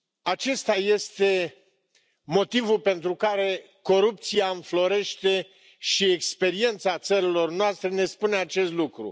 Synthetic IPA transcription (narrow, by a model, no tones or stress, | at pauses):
at͡ʃe̞st̪aje̞st̪e̞ | mo̞t̪ivulpe̞nt̪ɾukaɾe̞ | ko̞ɾup̚t̪siaɨɱflo̞ɾe̞ʃt̪e̞ | ʃiekspe̞ɾie̞nt̪sat̪səɾilo̞rnoast̪ɾe̞ne̞spune̞at͡ʃe̞st̪lukɾṵ